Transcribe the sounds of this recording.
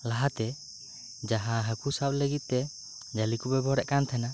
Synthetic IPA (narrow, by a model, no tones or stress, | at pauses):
laɦat̪ɛ | d͡ʒaɦaɦəkusap̚ləɡit̪̚ːɛ | d͡ʒalikubɛbɔɾɛʔkant̪ʰana